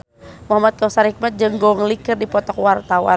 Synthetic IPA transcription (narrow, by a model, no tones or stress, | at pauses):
muɦamat̪̚kɔsaɾik̚mat̪̚d͡ʒɨŋɡɔŋlikɨrdipɔt̪ɔkwart̪awa̰